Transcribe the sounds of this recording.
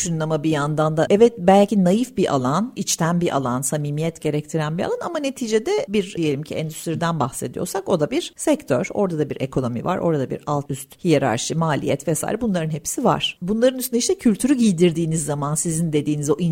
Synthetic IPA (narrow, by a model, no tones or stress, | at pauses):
ʃynˠamabijand̪and̪aʔɛvɛt̪̚bælʲcʰinajifbiʔa̰lˠanit͡ʃt̪ʰænbiʔa̰lˠansamiːmijɛt̪ɟe̞ɾɛct̪ʰiɾænbia̰lˠanamane̞t̪ʰiːd͡ʒed̪ɛbiɾije̞lʲimcʰiɛ̰nd̪yst̪ʰiɾid̪ænbaxse̞d̪ijo̞̰ɾsako̞d̪abiɾ̥sɛct̪ʰøɾo̞ɾd̪ad̪abiɾḛkʰo̞no̞mḭva̰ɾʔo̞ɾad̪abḭɾalˠt̪ʰyst̪hijeɾa̰ɾʃɯmaːlʲḭjɛt̪vɛsa̰ːjiɾɛbunlˠaɾɯnɦepsiva̰ɾ̥bunlˠaɾɯnyst̪ynɛiʃt̪ɛcʰylʲt̪ʰyɾyɟilʲd̪iɾd̪iːnizːamansizind̪e̞d̪iːnizo̞ʔi